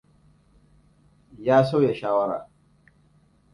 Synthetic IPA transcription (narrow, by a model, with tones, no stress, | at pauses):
jaː˦so˦wjɛ˨ʃaː˦wa˦ɾa̰˨